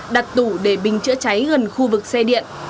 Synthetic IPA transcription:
ɗa˨˩t̚t̪u˧˩ɗe˧˩ɓï˨˩ŋ̟t͡ɕɨ̰˧˥ət͡ɕa˨˦jɣə˨˩nxu˧vɨ˨˩k̚sɛ˧ɗḭ˧˨ən

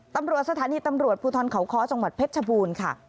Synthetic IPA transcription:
t̪a˧mɾu˨˩ət̪̚sa˧t̪ʰaː˩˦niː˧t̪a˧mɾu˨˩ət̪̚pʰuː˧t̪ʰɔː˧nkʰa˩˦wkʰɔː˦˥t͡ɕa˧ŋwa˨˩t̪̚pʰe˦˥t̪̚t͡ɕʰa˧buː˧nkʰa˥˩

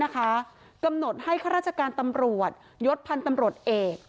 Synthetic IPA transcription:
a˦˥kʰa˦˥ | ka˧mno˨˩t̪̚ha˥˩jkʰaː˥ɾaː˥˩t͡ɕʰa˧kaː˧nt̪a˧mɾu˨˩ət̪̚ | jo˦˥t̪̚pʰa˧nt̪a˧mɾu˨˩ət̪̚ʔeː˨˩k̚

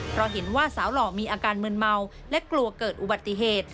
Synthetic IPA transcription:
pʰɾɔ˦˥ɦe˩˦nwaː˥˩saː˩˦wlɔː˨˩miː˧ʔaː˧kaː˧nmɯ˧nma˧w | lɛ˦˥klu˧ɐkɤː˨˩t̪̚ʔu˨ba˨˩t̪ːi˧˩ɦeː˨˩t̪̚

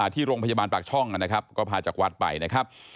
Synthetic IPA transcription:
aː˨˩t̪ʰiː˥˩ɾoː˧ŋpʰa˧jaː˧baː˧npaː˨˩k̚t͡ɕʰɔ˥˩ŋa˧na˦˥kʰa˦˥p̚kɔː˥˩pʰaː˧t͡ɕaː˨˩k̚wa˦˥t̪̚pa̰˧jna˦˥kʰa˦˥p̚

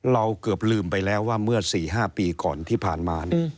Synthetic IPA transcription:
ɾa˧wkɤ˨˩p̚lɯː˧mpa˧jlɛː˦˥wːaː˥˩mɯ˥˩ɐsiː˨˩ɦaː˥˩piː˧kɔ̰ː˨˩nt̪ʰiː˥˩pʰaː˨˩nmaː˧n˩

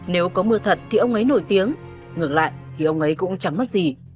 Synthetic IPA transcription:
ne˨˦wkɔ˨˦mɨ˧ət̪ʰə˨˩t̚t̪ʰi˨˩ʔə˧wŋ͡mʔə˨˦jno˧˩jt̪i˨˦əŋ | ŋɨ˨˩ək̚la̰ː˧˨jʔt̪ʰi˨˩ʔə˧wŋ͡mʔə˨˦jkʊ̰˧˥ŋ͡mt͡ɕa˨˩mːa˦˥t̚zi˨˩

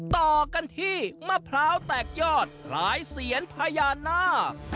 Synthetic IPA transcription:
t̪ɔː˨˩ka˧nt̪ʰiː˥˩ma˧˥˩pʰlaː˦˥wt̪ɛː˨˩k̚jɔː˥˩t̪̚kʰlaː˩˦jsi˩˦ənpʰaː˧jaː˧nːaː˥˩

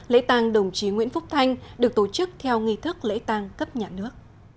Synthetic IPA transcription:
lḛ˧˥t̪aː˧ŋɗə˨˩wŋ͡mt͡ɕi˨˦ŋwḭ˧˥ənfʊ˦˥k͡p̚t̪ʰa˧jŋ̟ɗɨ˨˩ək̚t̪o˧˩t͡ɕɨ˦˥k̚t̪ʰɛ˧wŋi˧t̪ʰɨ˦˥k̚lḛ˧˥t̪aː˧ŋkə˦˥p̚ɲaː˨˩nɨ˦˥ək̚

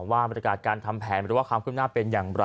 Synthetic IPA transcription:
waː˥˩ba˧˩ja˧kaː˨˩t̪̚kaː˧nt̪ʰa˧mpʰɛː˩˦nɾɯː˩˦waː˥˩kwaː˧kʰɯ˥˩p̚naː˥pe˧njaː˨˩ŋɾa˧

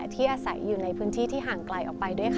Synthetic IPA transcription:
t̪ʰiː˥˩ʔaː˧sa˨˩˦jːuː˨˩na˧jpʰɯː˦˥nt̪ʰiː˥˩t̪ʰiː˥˩ɦaː˨˩ŋklaː˧jʔɔ̰ː˨˩pa˧jdu˥˩əjkʰ

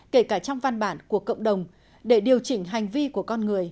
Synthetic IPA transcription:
ke˧˩kaː˧˩t͡ɕɔ˧wŋ͡mva˧˩nɓaː˧˩nku˧˩əkə̰˧˨wŋ͡mɗə˨˩wŋ͡m | ɗe˧˩ɗi˨˩əwt͡ɕï˧˦ŋ̟ɦa˨˩jŋ̟vi˧ku˧˩əkɔ˧nŋɨ˨˩əj

